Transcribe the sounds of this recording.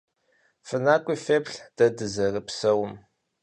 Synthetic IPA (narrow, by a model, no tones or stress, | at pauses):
fɨnaːkʷʼifeːpɬd̥ɐdɨzɐrəpsɐwʊm